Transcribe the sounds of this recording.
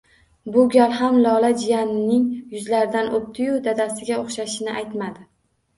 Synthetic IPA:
bʊɡʲalɦamlɒlad͡ʒɪjanɪnɪŋjʊzlaɾɪd̪anʔop̚t̪ʰɪjʊd̪ad̪asɪɡʲaoχʃaʃɪnɪʔajt̪mad̪ɪ

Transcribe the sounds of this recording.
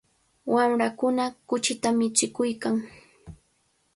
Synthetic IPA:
wamɾakʊnakʊt͡ʃɪt̪amɪt͡ʃɪkʊjkaŋ

